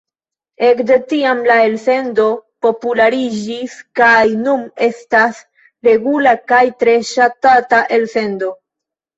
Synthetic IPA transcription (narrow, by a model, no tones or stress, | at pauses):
e̞kdetiamlae̞lse̞ndo̞po̞pulaɾid͡ʒiskajnume̞stas | ɾe̞ɡulakajtɾe̞ʃatataʔe̞lse̞ndo̞